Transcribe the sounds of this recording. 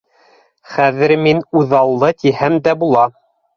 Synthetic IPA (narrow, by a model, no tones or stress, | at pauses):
χæðɘ̆ɾminuðɑlˠːɤt̪ihæmd̪æbulˠɑ